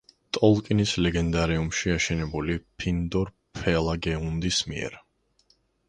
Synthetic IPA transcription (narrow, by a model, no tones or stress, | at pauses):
t̪ʼɔlˠkʼinislɛɡɛnd̪aɾɛumʃiaʃɛnɛbulipʰind̪ɔɾ | pʰɛlˠaɡɛund̪ismiɛ̰ɾ